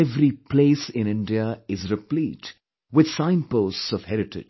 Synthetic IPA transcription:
ɛvɾipleːsɪ̃nɪ̃nɖiəɪzɾɪpliːʈ | wɪd̪sãɪ̃mpoːssɔv̥hɛɾɪʈɪ̰d͡ʒ

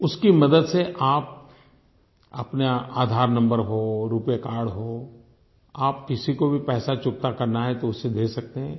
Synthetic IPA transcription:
ʊskimɐd̪əd̪seʔaːp̚ | ɐ̰pneaːd̪ʱaːɾnɐ̃mbəɾɦoːɾuːpjekaːɾɽɦoː | aːp̚kɪsikobʱipɛːsat͡ʃʊk̚t̪akɐɾnaɦɛt̪oʊsːed̪eːsɐk̚t̪eɦɛ̃ː

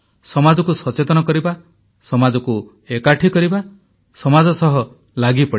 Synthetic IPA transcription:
sɔmad͡ʒɔkusɔt͡ʃet̪ɔnɔkɔɾiba | sɔmad͡ʒɔku | ekaʈʰikɔɾiba | sɔmad͡ʒɔsɔɦɔ | laɡipɔɽi

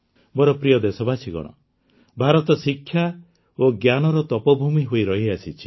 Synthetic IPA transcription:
bɔɾɔpɾijɔd̪esɔbʱasʰiɡɔ̰ɽ̃ɔ̰ | bʱaɾɔt̪ɔsikʰːja | oɡjanɔɾɔt̪ɔpɔbʱumiɦoiɾɔɦiasʰit͡ʃʰi̥

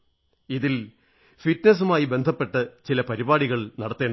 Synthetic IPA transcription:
iðil | fiʈnes̬umaːjibe̞nd̪ʱɐpːe̞ʈːɐt͡ɕilɐpɐɾibaːɽiɣɐɭnɐɽɐt̪ːe̞ːɳɖ

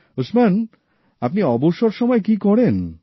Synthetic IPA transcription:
usman | apniɔboʃoɾʃɔmɔekikɔɽen

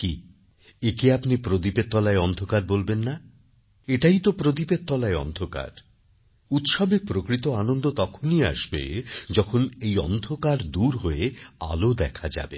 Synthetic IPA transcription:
ki | ekeapnipɾod̪̬ipet̪ːɔlaeɔnd̪ʱokaɾbolbenːa | eʈajt̪opɾot̪ipet̪̚ːɔlaeɔ̰nd̪ʱoka̰ɾ | ut̪ʃɔbepɾokɾit̪oanond̪ot̪ɔkʰonia̰ʃbḛd͡ʑɔkʰonejɔ̰nd̪ʱokaɾd̪uɾɦoea̰lod̪ɛkʰad͡ʑa̰be

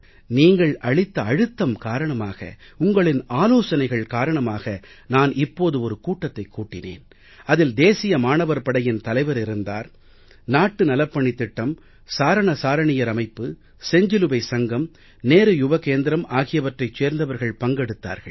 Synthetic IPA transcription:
niːŋɡɐɭʔɐɻɪt̪ːɐɐɻɯt̪ːɐmkaːɾɐɳɐmaːɣɐ̰ʊŋɡɐɭɪnaːloːsɐnɐɪɣɐɭkaːɾɐɳɐmaːɣɐ | naːnʔɪpːoːðɯɔɾɯkuːʈːɐt̪ːɐɪkːuːʈːɪnḛːn | ɐðɪld̪eːsɪjɐmaːɳɐʋɐɾpɐɽɐjɪnt̪ɐlɐɪʋɐɾɪɾɯnd̪a̰ːɾ | naːʈːɯnɐlɐpːɐɳɪt̪ːɪʈːɐm | saːɾɐɳɐsaːɾɐɳɪjɐɾɐmɐɪpːɯ | sɛɲd͡ʒɪlɯbɐɪsɐŋɡɐm | neːɾɯjʊbɐkeːnd̪ɪɾɐmaːɣɪjɐʋɐʈrɐɪt͡ʃːeːɾnd̪ɐʋɐɾɣɐɭpɐŋɡɛɽɯt̪ːa̰ːɾɣɐɭ

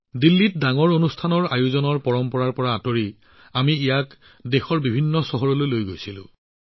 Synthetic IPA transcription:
dilːit̚daŋɔɹonustʰanɔɹajuzɔnɔɹpɔɹɔmpɔɹaɹpɔɹaːtoɹi | amiijak | dexɔɹbibʱinːɔsɔɦɔɹɔlojlojɡojsilʊ̰̃

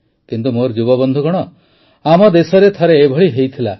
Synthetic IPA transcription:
kint̪umoɾd͡ʒubɔbɔnd̪ʱuɡɔɽ̃ɔ | amɔd̪esɔɾet̪ʰɔɾeːbʱɔɭiɦejt̪ʰila

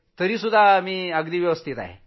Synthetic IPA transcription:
t̪əɾiːsud̪ʱːamiːəɡd̪iːʋjəʋəst̪ʰit̪a̰ɦḛ

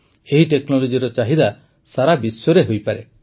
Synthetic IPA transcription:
eɦiʈeknɔlɔd͡ʒiɾɔt͡ʃaɦid̪a | saɾabisɔɾeɦojpaɾe

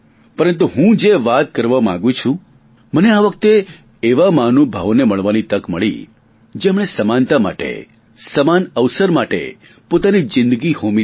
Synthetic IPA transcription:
pəɾənt̪̬uɦũd͡ʒeʋat̪̚kəɾʋamã̰ŋɡũt͡ʃʰũ | məneaʋək̚t̪eː | ʋamanobʱaʋneməɭʋanit̪əkməɭḭ | d͡ʒemɳ̃esəmant̪ama̰ʈḛ | səmanəʋsəɾmaʈḛ | pot̪anid͡ʒɪ̃nd̪əɡihomi

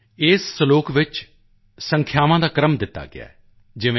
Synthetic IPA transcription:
ɪːsːəloːkʋɪt͡ʃ | səŋkʰjaːʋãːd̪aːkɾəmd̪ɪt̪ːa̰ːɡɪ̰a̰ː | d͡ʒɪʋẽ

